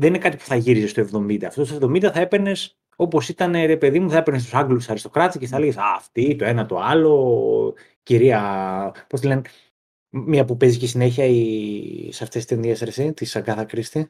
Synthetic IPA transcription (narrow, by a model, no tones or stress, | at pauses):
ðeninekɐt̪ipu̥θɐʝiɾizest̪oe̞vðo̞mind̪ɐːft̪ost̪oevðo̞mind̪ɐθɐepeɾne̞s | o̞po̞sit̪ɐne̞ɾe̞pe̞ðimuθɐe̞peɾnest̪usɐŋɡlusɐɾist̪o̞kɾɐt̪isceθɐleʝesɐft̪it̪oe̞nɐt̪o̞̰ɐlo̞ | ciɾiɐposelen | miɐpupe̞zicisine̞çiɐi | sɐft̪e̞st̪enðieseɾset̪isɐɡɐθɐkɾist̪e